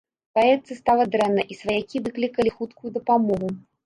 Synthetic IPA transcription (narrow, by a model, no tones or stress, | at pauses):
paɛt̪sɨst̪alˠɐd̪ɾɛnːɐʔisvɐjakʲivɨklʲikɐlʲixut̪kujud̪ɐpamɔɣu